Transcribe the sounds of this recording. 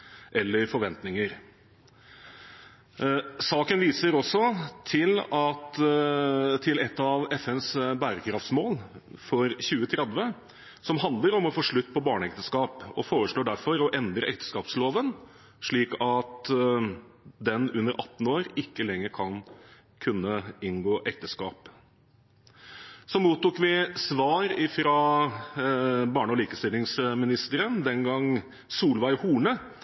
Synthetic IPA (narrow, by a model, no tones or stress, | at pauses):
ʔɛlːəɾfɔɾʋɛnt̪nɪŋəɾ | sɑːkənʋiːsəɾɔsːɔt̪ʰɪlɑt̪ | t̪ʰɪlɛt̪ːɑʋɛfɛnsbæːɾəkʰɾɑft̪smoːlfɔɾçʉːət̪ʰɾɛd̪ʋə | sɔmɦɑnd̪ləɾɔmɔfoːʂɭʉt̪ːpʰɔbɑːɳəɛkt̪əskɑːpɔfoːɾəʂɭoːɖæɾfɔɾɔʔɛnd̪ɾəɛkt̪ə̥skɑːpsloːʋən | ʂɭiːkɑt̪ | d̪ɛnʉnːəɾʔɑt̪ːn̩oːɾɪkːəlɛŋːəɾkʰɑn | kʰʉnːəɪnɡoːʔɛk̚t̪əskɑːp | sɔmuːt̪ːʊkʋɪsʋɑːɾɪfɾɑ | bɑːɳəɔliːkəst̪ɪlɪŋsmɪnɪst̪əɾənd̪ɛnɡɑŋ | suːlʋæɪhuːɳə